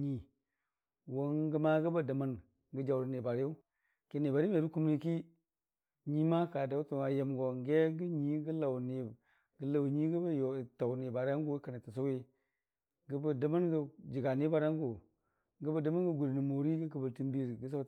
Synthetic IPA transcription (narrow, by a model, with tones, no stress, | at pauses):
ɲi˨ | wo˦nɡə˦ma˦ɡə˦ba˦da˨ma˦n | ɡə˦d͡ʒa˨wɾne˨ba˨ɾja˦ | ke˨ne˨ba˨ɾi˦me˨ɾu˦ku˦m˦ni˦ki˦ | ɲi˦ma˦ka˨da˨˦u˦tu˨ŋa˨je˨mɡo˨ŋ˦ɡe˦ɡə˦ɲi˦ɡə˦la˨wne˨ | ɡə˦la˨wɲi˦ɡə˦ba˦jo˨ta˨wne˨ba˨ɾa˦ŋɡu˦ka˨na˨ta˨s̬a˦we˦ | ɡə˦ba˨da˨ma˦nɡə˦d͡ʒi˨ɡa˨ni˦ba˨ɾa˦ŋ˦ɡo˨ | ɡə˦ba˨də˨ma˦nɡə˦ɡu˨ɾni˨mo˨ɾi˦ɡə˦k̬ə˨bə˨ti˦m˦bi˦ɾɡə˦s̬a˦